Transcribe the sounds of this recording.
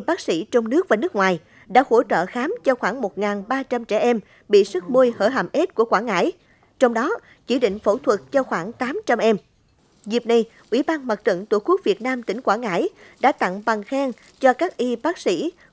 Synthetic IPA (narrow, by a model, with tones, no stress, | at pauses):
ɓaː˦˥k̚sḭ˧˥t͡ɕɔ˧wŋ͡mnɨ˦˥ək̚vaː˨˩nɨ˦˥kŋwaː˨˩j | ɗa̰ː˧˥ho˧˩t͡ɕə̰ː˧˨xaː˨˦mt͡ɕɔ˧xwaː˧˩ŋmo˨˩t̚ŋaː˨˩nɓaː˧t͡ɕa˧mt͡ɕɛ̰˧˩ʔɛ˧m | ɓḭ˧˨sɨ˦˥t̚mo˧jhəː˧˩ɦa̰˧˨˩mʔe˦˥t̚ku˧˩əkwaː˧˩nŋa̰ː˧˥˩j | t͡ɕɔ˧wŋ͡mɗɔ˨˦ | t͡ɕi˧˩ɗḭ̈˧˨ŋ̟fo̰˧˩t̪ʰwə˨˩t̚t͡ɕɔ˧xwaː˧˩ŋt̪aː˨˦mt͡ɕa˧mʔɛ˧m | zi˨˩p̚na˧j | ʔwḭ˧˩ɓaː˧nma˨˩t̚t͡ɕə̰˧˨nt̪u˧˩ku˦˥ək̚vi˨˩ət̚naː˧mt̪ï˧˩ŋ̟kwaː˧˩ŋa̰ː˧˥˩jɗa̰ː˧˥t̪a̰˧˨ŋva˨˩ŋxɛː˧ŋ | t͡ɕɔ˧kaː˦˥k̚ʔi˧ɓaː˦˥k̚sḭ˧˥